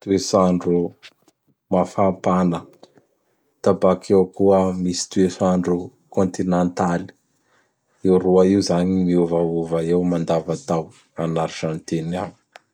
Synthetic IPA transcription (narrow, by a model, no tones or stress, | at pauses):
t̪uesaɳɖ͡ʐu | mafampanə | t̪abakʰewkuəmisi̥t̪uesaɳɖ͡ʐu | kont̪inant̪ali̥ | ewruaiuzaɲimiuvauvaewmand̪avat̪aw | anaɾiʈ͡ʂant̪eniaɲi̥